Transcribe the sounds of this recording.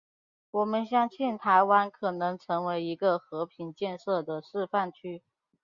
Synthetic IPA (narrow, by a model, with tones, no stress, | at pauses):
wɔ˨˩mə˦nɕjɑ˥˧ŋt͡ɕʰɛ˥˩nt̪ʰa˧˥ɪwa˥nkʰɤ˨˩nɤ˧˥ŋʈ͡ʂʰɤ˧˥ŋwe˧˥ɪi˧˥ɡə˧xɤ˧˥pʰi˨˩nt͡ɕjɛ˥˧nʂɤ˥˩d̪ə˩ʂɻ̩˥˧fa˥˩nt͡ɕʰy˥